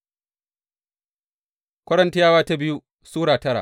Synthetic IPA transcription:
kʷɐ˦ɽɐ˦nti˦jaː˦waː˦ta˦bɪ˦ju˦ | suː˦ɽaː˨tɐ˦ɽa̰˨

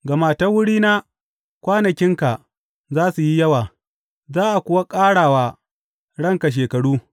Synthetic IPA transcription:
ɡɐ˨maː˦˨tɐ˦wʊ˦ɽiː˦naː˦ | kʷaː˦nɐ˨kʲɪ˦ŋka˨ | zaː˦su˨ji˦jɐ˦waː˨ | zaː˦ʔa˨kʷʊ˨wa˦kʼaː˦ɽaː˨waː˨ | ɽɐ˦˨ŋka˨ʃ̬eː˨kɐ˨ɽuː˦

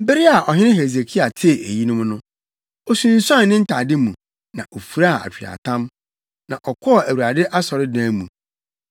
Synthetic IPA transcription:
be˦ɾi˦a˨ʔɔ˨ɦɪ˦nɪ̃˦ɦe˨ze˨kʰi˦a˨tʰɪ˦˨e˨ji˦nʊ̃˦mnʊ̃˦ | ɔ˦sũ˨n̩˨sã˦˨˦nɪ̃˦n̩˦tʰa˨dɪ˦mũ˨ | nã˨ʔo˨fu˨ɾa˦˨a̰˨t͡ɕᶣi˨a̰˨tʰã˦m | nã˨ʔɔ˨kʰɔ˦ɔ˨æ˨wu˨ɾa˨dɪ˦ʔa˦sɔ˨ɾɪ˦dãː˦mũ˨

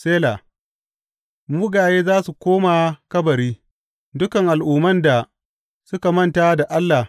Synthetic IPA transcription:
seː˦la˨ | mʊ˦ɡaː˨jeː˦zaː˦su˨kʷoː˦ma˨kɐ˦bɐ˨ɾiː˦ | dʊ˦kɐ˨ŋʔa˨lʔuː˨mɐ˦nda˨ | sʊ˦ka˨mɐ˦ntaː˦da˨ʔa˦lːa˨

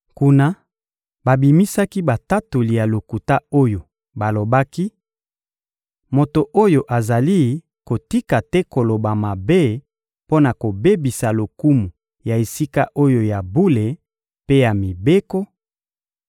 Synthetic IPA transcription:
ku˨na˦ | ba˨bi˨mi˦sa˦ki˦ba˨ta˦tu˨li˨ja˨lo˨ku˨ta˦o˦jo˨ | ba˨lo˨ba˦ki˦ | mo˨to˨ʔo˦jo˨ʔa˨za˨li˦ | ko˨ti˦ka˨tɛ˦ko˨lo˨ba˨ma˨be˦ | po˦na˨ko˨be˦bi˨sa˨lo˨ku˦mu˨ | ja˨e˨si˦ka˦ʔo˦jo˨ja˨bu˦le˨ | pe˦ja˨mi˨be˦ko˦

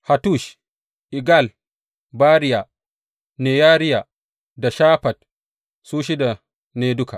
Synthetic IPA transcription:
ha˨tu˦˨ʃ | ʔi˨ɡa˦˨l | baː˦ɾɪ˦ja˨ | neː˨jaː˦ɾɪ˦ja˨ | da˨ʃaː˦ɸɐ˨t̚ | suː˦ʃ̬i˦da˨ | neː˦dʊ˦ka˨

